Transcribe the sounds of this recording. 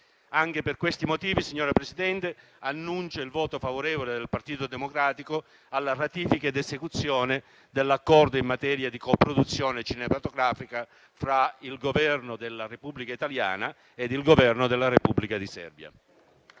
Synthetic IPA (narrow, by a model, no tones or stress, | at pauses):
aŋk̟eperkwest̪imot̪iːvisiɲːɔːɾapɾesid̪ɛnt̪e | anːunt͡ʃailvɔːt̪ofavoɾɛːvoled̪elpart̪iːt̪od̪emokɾaːt̪iko | alːarat̪iːfikad̪ezekut̪sːjɔːne | d̪elːakːɔrd̪oimːat̪ɛːɾjad̪ikopɾod̪ut̪sːjɔːnet͡ʃinemat̪oɡɾaːfika | fɾailɡovɛrnod̪elːarepubːlikait̪alja̰ːna | ed̪ilɡovɛrnod̪elːarepubːlikad̪isɛ̰rbja̰